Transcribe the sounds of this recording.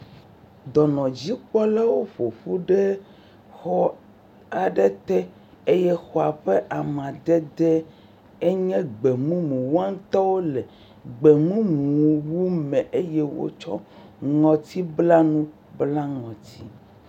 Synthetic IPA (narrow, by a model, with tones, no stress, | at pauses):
d̪ɔ˨nɔ̃˨d͡ʑi˦k͡pɔ˦lɛ˦wo˦ɸo˨ɸu˦ɖɛ˦ | xɔ˦ | a˨ɖɛ˦t̪ɛ˦ | e˦jɛ˦xo˨a˨ɸe˦ʔa˨m˨ã˨d̪ɛ˦d̪ɛ˦ | e˦ɲɛ̃˦ɡ͡be˨mũ˦mũ˨wu˦a˦n˦t̪ɔ˦wo˦lɛ˨ | ɡ͡be˨mũ˦ñũ˨wu˦mɛ̃˨ʔe˦jɛ˦wo̰˦t͡ʃɔ̰˦ŋɔ̃˨t̪ʰi˦bla˦nũ˦ | bla˦ŋɔ̃˨t̪ʰi˦